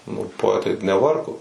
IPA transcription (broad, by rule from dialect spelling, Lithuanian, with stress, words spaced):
nʊ poːˈæːtɐɪ nʲɛˈʋɐrɡoː